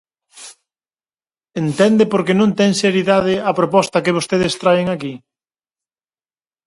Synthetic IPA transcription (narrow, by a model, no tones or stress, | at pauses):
ent̪ɛnd̪epoɾkenõnt̪ɛŋseɾiðaðɪɐpɾopɔst̪ɐkɪβ̞ost̪eðest̪ɾaeŋaki